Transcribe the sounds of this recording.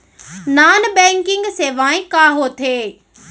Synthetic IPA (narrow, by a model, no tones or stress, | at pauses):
naːnbɛ̃ːŋkɪ̃ŋɡseːʋaːẽkaːɦoːt̪ʰeː